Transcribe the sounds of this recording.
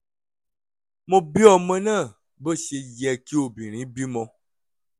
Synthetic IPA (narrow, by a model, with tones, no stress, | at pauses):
mõ˨bi˦ɔ˨mə̃˦nã˦˨ | bə˦ʃe˧jɛ˨ki˦o˨bĩ˨ɾ̃ĩ˨˦bi˦mɔ̃˧